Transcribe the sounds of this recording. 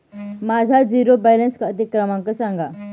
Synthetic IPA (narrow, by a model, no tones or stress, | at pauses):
mad͡zʱad͡ziɾobɛjlenskət̪ikɾəmãŋkəsãŋɡa